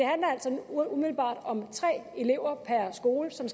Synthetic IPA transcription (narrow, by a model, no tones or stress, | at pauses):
e̝hænlɐæl̰sɒ̽umið̥l̩b̥ɑ̰̈ːd̥ɒ̽mt͡sʰʁɛ̰ːe̝le̝ʊ̰ɐpʰæɐsɡ̥o̝ːləsɒ̽ms